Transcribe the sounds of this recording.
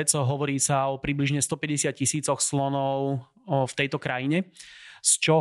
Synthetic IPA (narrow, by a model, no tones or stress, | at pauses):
t͡sɦɔʋɔɾiːsaɔpɾibliʒɲɛst̪ɔpɛɟɛsɪat̪̚cisiːt͡sɔxslɔnɔʊ | ft̪ɛjt̪ɔkɾajiɲɛst͡ʃɔ